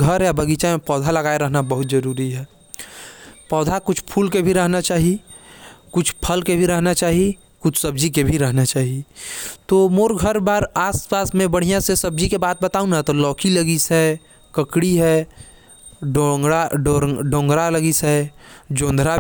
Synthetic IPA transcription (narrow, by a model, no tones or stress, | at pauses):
ɡʱəɾjabɐɡiːt͡ʃamẽpɔːd̪ʱalɐɡaːeɾəɦnabəɦʊt̪zɐɾuːɾiɦɛː | pɔːd̪ʱakʊt͡ʃʰpʰuːlkebʱiɾəɦnat͡ʃaːɦie | kʊt͡ʃʰpʰəlkebʱiɾəɦnat͡ʃaːɦie | kʊt͡ʃʰsɐb̚d͡ʒikebʱiɾɐɦnat͡ʃaːɦiet̪oːmoːɾɡʱəɾbaːɾaːspaːsmẽbɐɽ̤ijãsesɐb̚d͡ʒikebaːt̪̚bɐt̪aːũnat̪olɔːkiləɡisɦɛː | kəkɽiɦɛː | ɖaɖɖõːŋɡɾaləɡisɦɛːd͡ʒõːnd̪ʱɾa